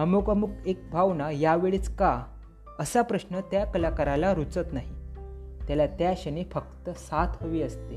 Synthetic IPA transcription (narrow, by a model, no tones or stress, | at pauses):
əmokəmukek̚bʱaʋnajaʋeɭiːt͡ska | əsapɾəɕnət̪jakəlakəɾalaɾut͡sət̪naɦi | t̪jalat̪jaɕənefəkt̪əsat̪ʰɦəʋiːəst̪e